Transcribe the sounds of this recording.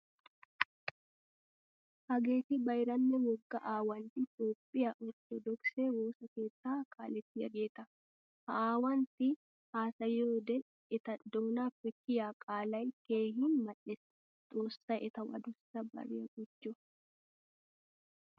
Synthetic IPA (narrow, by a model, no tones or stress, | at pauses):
hɐɡeːt̪ɪbɐjɾɐnːɛwɔɡːɐʔaːwɐnt̪ɪt̪o̞ːpʼːɪjɐʔɔt̪ːɔd̪ɔkseːwoːsɐke̞ːt̪ːaːkʼa̰ːlɛt̪ːɪjɐɡe̞ːt̪ɐ | hɐaːwɐnt̪ɪ | haːsɐjoːd̪ɛ | ɪt̪ɐd̪oːnaːfɛkːɪjaːkʼaːlɐjke̞ːɦɪnmɐᶑɛsɐ̥ | d̪̥oːsːɐʔɛt̪ɐwɐ̰d̪ʊsɐbɐ̰ɾeɐɡʊd͡ʒːɔ